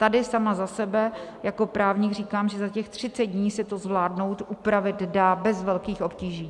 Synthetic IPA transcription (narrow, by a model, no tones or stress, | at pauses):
t̪adɪsamazasɛbɛjako̞pɾaːvɲiɡr̝iːkaːmʒɛzacɛxt̪r̝̥ɪt͡sɛd̪dɲiːsɛt̪ozvlaːdno̞wt̪ʔupɾavɪt̪daːbɛzvɛlkiːxʔo̞pciːʒiː